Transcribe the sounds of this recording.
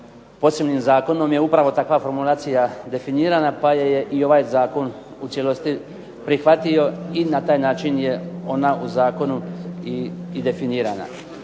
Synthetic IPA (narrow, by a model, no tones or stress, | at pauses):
po̞se̞bniːmzaːko̞no̞mje̞upɾaʋo̞t̪akʋafo̞ɾmulˠaːt̪sijad̪e̞finiːɾanapajeje̞ʔio̞ʋaːjzaːko̞n | ut̪sjelˠo̞st̪i | pɾixʋat̪io̞inat̪aːjnaːt͡ʃinje̞o̞nauzaːko̞nuiid̪e̞finiːɾa̰ːna̰